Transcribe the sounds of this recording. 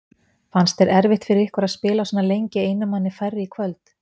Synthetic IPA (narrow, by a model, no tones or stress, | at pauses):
fanst̪ɛɾɛɾvɪht̪fɪɾɪɾɪhkaɾaðspɪːlasanːalejɲcɪeːjnʏmanːɪfajrːɪikʰvœlt̪